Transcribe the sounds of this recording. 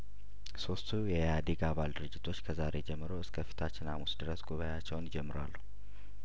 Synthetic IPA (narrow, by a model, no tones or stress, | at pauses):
so̞st̪ʰujɛjad̪iɡaβald̪ɨɾɨd͡ʒːɪt̪ʰo̞t͡ʃːkʰəzaɾe̞d͡ʒɛmːɨɾo̞ɨskʰəfi̥t̪ʰat͡ʃːɪnamusd̪ɨɾəsɡʼuβajat͡ʃːɛwnɪd͡ʒɛmːɨɾwalːu